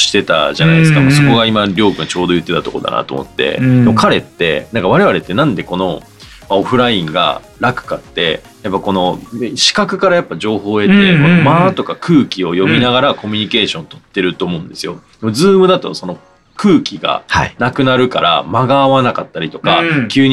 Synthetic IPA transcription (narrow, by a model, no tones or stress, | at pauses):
ɕi̥t̪e̞t̪a̰ʑana̰ideskamaso̞ko̞ɡaimaɾʲo̞ːkɯ̟ɲat͡ɕo̞ːd̪o̞jɯ̟t̪ːe̞t̪at̪o̞ko̞̰d̪a̰na̰t̪o̰mo̞̰t̪ːe̞̰d̪emokaɾe̞t̪ːe̞̰nãŋkaβ̞aɾe̞βaɾe̞t̪ːe̞nãnd̪e̞ko̞no̞ | mao̞ɸɯ̟ɾaĩŋɡa̰ | ɾakɯ̟̥kat̪ːe̞ | japːako̞no̞ɕi̥kakɯ̟kaɾajapːaʑo̞ːɦo̞ːe̞t̪ːemomat̪o̞kakʰɯ̟ːkʲio̞jo̞mʲinaɡaɾako̞mʲiɲ̟ike̞ːɕõ̞nt̪o̞̥t̪ːe̞ɾɯ̟t̪o̞ːmo̞ɯ̃nd̪e̞sɨjo̞d̪̥e̞mo̞d͡zɨːmɯ̟d̪at̪oso̞no̞ | kɯ̟ːkʲiɡa̰hanakɯ̟naɾɯ̟kaɾa̰maɡaːβanakat̪ːaɾʲit̪o̞kakʲɨːɲ̟